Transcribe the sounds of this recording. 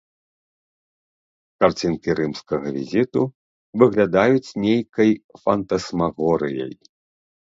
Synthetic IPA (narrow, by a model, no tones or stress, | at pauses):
kart͡sʲinkʲiɾɨmskɐɣɐvʲḭzʲit̪u | vɨɣlʲad̪ajut͡sʲnʲejkɐjfɐnt̪ɐsmaɣɔɾɨjɐ̰j